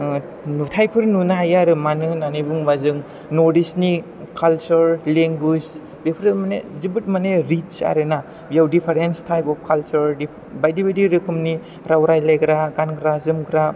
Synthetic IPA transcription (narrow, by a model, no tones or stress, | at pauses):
nutʰajpʰɯɾnunajaɾɯmanɯnanibuŋmazɯŋ | nɔɾdisni | kalt͡ʃuɾleŋɡud͡ʒ | bepʰɾɯmanezibɯt̚maneɾit͡ʃa̰ɾɯna | bjawdipʰaɾenstʰajpɔp̚ʰkʰalt͡ʃuɾdi | bajdibajdiɾɯkʰumni | ɾawɾajlajɡɾaɡankɾazɯmɡɾa